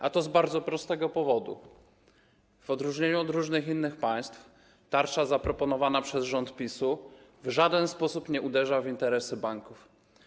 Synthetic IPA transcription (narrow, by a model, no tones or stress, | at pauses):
ʔat̪ɔzbaɾd̪zɔpɾɔst̪ɛɡɔpɔvɔd̪ṵ | v̥ɔd̪ɾuʐɲeɲuɔd̪ɾuʐnɘxinːɘxpaj̃st̪f | t̪aɾt͡ʂazapɾɔpɔnɔvanapʂɛzʐɔnt̪pʲisuvʐad̪ɛnspɔsupɲɛʔud̪ɛʐavint̪ɛɾɛsɘbaŋkuf